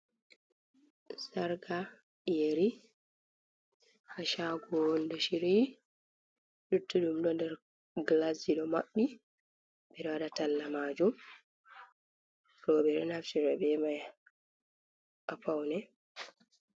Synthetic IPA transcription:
saɾɡa | jeɾi | haʃaɡɔndɔʃiɾi | ɗutːuɗumɗɔndɛɾ | ɡlasiɗɔmaɓːi | bɛɗɔwaɗatalːamaːd͡ʒum | ɾɔɓɛɗɔnaft͡ʃiɾɛbɛmaj | ʔapawnɛ

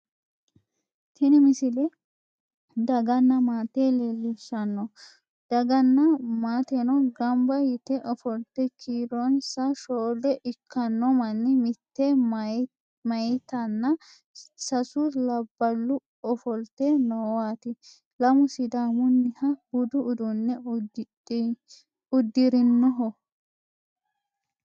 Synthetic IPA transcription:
t̪ʰɪnɪmɪsɪlɛ | d̪ɐɡɐnːɐmaːt̪eːleːlːɪsɐnːɔ | d̪̥ɐɡɐnːɐmaːt̪enɔɡɐmbɐjɪt̪ɛʔɔfɔlt̪ːɛkʰiːɾɔnsɐʃoːd̪ɛʔɪkʰːɐnːɔmɐnːɪmɪt̪ːe | mɐjt̪ɐnːɐ | sɐsʊlɐbːɐlːʊ | ɔfɔlt̪ɛnowaːt̪ɪ | lɐmʊsɪd̪aːmʊnːɪhɐhʊd̪ʊʔʊd̪ʊnːɛ | ʊd̪ːɪɾɪnːɔɦɔ

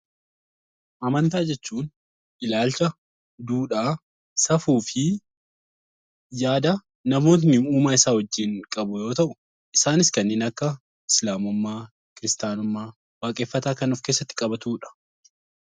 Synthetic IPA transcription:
ʔɐmɐnt̪aːd͡ʒɛt͡ʃːuːn | ʔɪlaːlt͡ʃɐ | d̪uːᶑaː | sɐfuːfɪ | jaːd̪ɐ | nɐmo̞ːt̪̬nɪuːmaːɪsaːwɐd͡ʒːɪŋkʼɐbʊjo̞ːt̪ɐʔʊ | ʔɪsaːnɪskɐnːeːnɐkːɐ | ɪslaːmʊmːaː | kɪɾɪst̪aːnʊmːaː | waːkʼeːfːɐt̪aːkɐnɔfkeːsːɐt̪ːɪ̥kʼɐbɐt̪uːᶑɐ̥

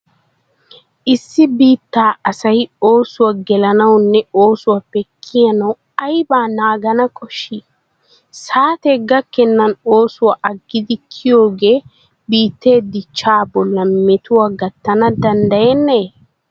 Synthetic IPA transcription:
ʔɪsːɪbiːt̪ːaːɐsɐjo̞ːsʊwɐɡɛlɐnɐwnːɛo̞ːsʊwɐpːɛkʰːɪjɐnɐw | ɐjbaːnaːɡɐnɐkʰʼɔʃːi | saːt̪ɛɡɐkːɛnːɐnoːsʊwaʔɐɡːɪd̪ɪkʰːɪjo̞ːɡeː | biːt̪ːe̞ːd̪ɪt͡ʃːaːbɔlːɐmɛt̪ʊwaɡɐt̪ːɐnɐd̪ɐnd̪ɐjɛnːɐ

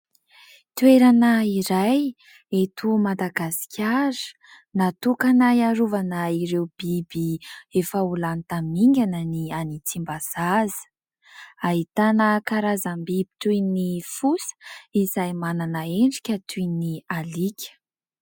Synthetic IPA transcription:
t̪weɾanəiɾaj | et̪umad̪aɡasi̥kʲʰaɾə̥ | nat̪ukanajaɾuvanəiɾewb̥ibiefəulanit̪amiŋɡʲanənianit͡simbaz̥azə̥ | aɦit̪anəkaɾazambib̥i̥t̪unifusə̥izajmananəeɳɖ͡ʐi̥kʲət̪ʰunialikʲə̥

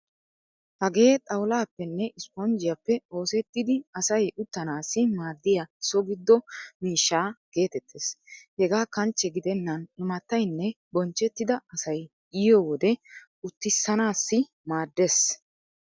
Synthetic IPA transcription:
hɐɡe̞ːt̪ʼɐwʊlaːpːɛnːɛʔɪspɔnd͡ʒɪjɐpːɛo̞ːsɛt̪ːɪd̪ɪɐsɐjʔʊt̪ːɐnaːsːɪmaːd̪ːɪjɐɪsɔɡɪd̪ːɔmiːʃːaːke̞ːt̪ɛt̪ʰːeːshɛɡaːkɐnt͡ʃːɛɡɪd̪ɛnːɐnɪmɐt̪ːɐjnːɛ | bɔnt͡ʃːɛt̪ːɪd̪ɐɐsɐj | ɪjɔwɔd̪ɛ | ʊt̪ːɪsːɐnaːsːɪ | maːd̪ːes

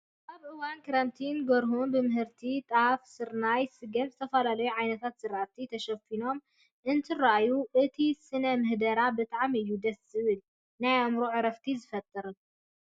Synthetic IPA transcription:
ʔaβʔɨwankʰɾant̪ʰinɡɐɾɦunbɨmɨɦɨɾt̪ʰit̪ʼafsɨɾnajsɨɡɐmzɨt̪ʰɐfɐlalɐjuʕajnɐt̪ʰat̪sɨɾʔat̪ʰit̪ʰɐʃɐfino̞m | ʔɨnt̪ʰɨɾajuʔɨt̪ʰisɨnɐmɨhd̪ɐɾabɨt̪ʼaʕamɨjːud̪ɐszɨβɨl | najamɾuʕɨɾɐft̪ʰizɨfɐt̪ʼːɨɾɨ

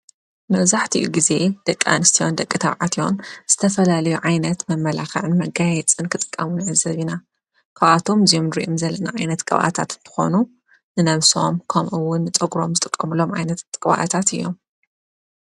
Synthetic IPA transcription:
mɐβzaħt̪ʰḭʔuɡize̞d̪̥ɐkʼːa̰nɨst̪ʰijo̞̰nd̪ɐkʼːɨt̪ʰɐβʕat̪io̰mz̥ɨt̪ʰɐfɐlalɐjuʕajnɐt̪mɐmːɐlaxɐ̰ʕɨnmɐɡajɛt͡sʼɨnkʰɨt̪ʼɨ̥kʼːɐmunazɐβina | kʰɐβat̪ʰo̞mzijomnɨɾḭʔomzɐlːɐnaʕajnɐt̪kʼɐβʔa̰t̪ʰa̰t̪ɨnt̪ʰɨ̥xo̞̰nu | nɨnɐβso̞̰mkʰɐmʔɨwːʊnːɨt͡sʼɐɡɾo̞mzɨt̪ʼɨkʼːɐmɨlo̞mʕa̰jnɐt̪ʼkʼβa̰ʔa̰t̪ʰat̪ɨjːo̞̰m

